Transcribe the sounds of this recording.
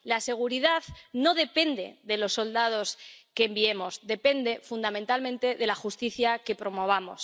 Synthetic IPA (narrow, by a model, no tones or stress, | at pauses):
lase̞ɣ̞uɾiðaðno̞ð̞e̞pe̞nd̪e̞̰ðe̞lo̞sːo̞ld̪að̞o̞ske̞ːmbie̞mo̞zðe̞pe̞nd̪e̞fund̪amẽnt̪almẽ̞nt̪e̞ðe̞laxust̪iθjake̞pɾo̞mo̞β̞amo̞̰s